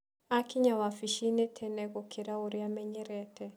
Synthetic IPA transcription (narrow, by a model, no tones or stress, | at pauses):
akiɲawafiʃinɛtʰɛnɛɣɔkʰiɾauɾiamɛɲɛɾɛtɛ